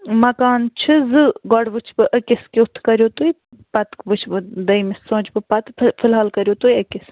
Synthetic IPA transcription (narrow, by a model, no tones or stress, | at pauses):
mɐkaːnt͡ʃʰɨzɨɡɔɽʋɨt͡ʃʰbɨʔəkɪskiut̪ʰkɐɾʲjoːt̪ui | pɐt̪kʋɨt͡ʃʰbɨd̪ɐjmisːõːt͡ʃbɨpɐt̪fʰɨlɦaːlkɐɾjoːt̪ujɐkɪs